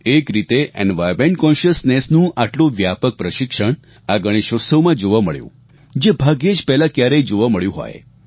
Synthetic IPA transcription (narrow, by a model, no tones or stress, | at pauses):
ekɾit̪eʔɛ̰nʋajɾmeɳʈ̚kɔ̃nʃəsnesnũʔaʈlõʋjapək̚pɾəʃɪkʃəɳ̃ | aɡəɽ̃eʃəsəmãd͡ʒoʋaməɭjṵ̃ | d͡ʒebʱaɡjed͡ʒpɛɦlãkjaɾəjd͡ʒoʋaməɭjũɦɔ̰j